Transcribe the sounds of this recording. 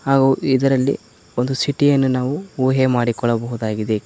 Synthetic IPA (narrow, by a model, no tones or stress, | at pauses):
haːɡuːʔid̪ɐɾɐlːḭ | ond̪usiʈijɐnːunaːʋuuːɦemaːɽikɔɭːɐbɐɦud̪aːɡid̪e